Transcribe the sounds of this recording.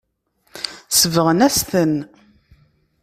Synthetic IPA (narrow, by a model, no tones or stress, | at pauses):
səvəʁənæst̪ən